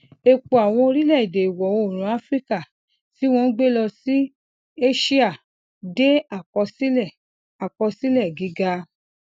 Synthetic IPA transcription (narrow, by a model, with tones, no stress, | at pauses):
e˧k͡po˨a˨w̃ɔ̃˧o˧ɾi˦lɛ˦˨i˨de˨i˨wɔ˨o˦˨ɾ̃ũ˨˦a˦fɾi˦ka˦˨ | ti˨˦w̃ɔ̃˧n̩˦ɡ͡be˦lɔ˧si˦ | e˦ʃi˦a˦˨ | de˦a˨kɔ˧si˦lɛ˦˨ | a˨kɔ˧si˦lɛ˦˨ɡi˨˦ɡa˧